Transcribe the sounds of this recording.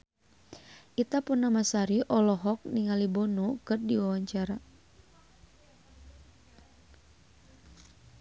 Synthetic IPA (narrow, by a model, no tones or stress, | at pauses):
ʔit̪apunamasaɾiʔɔlɔɦɔk̚niŋalibɔnukɨrdiwawaɲt͡ʃaɾa